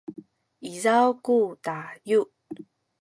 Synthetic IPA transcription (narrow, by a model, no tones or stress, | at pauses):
ʔizawkutaju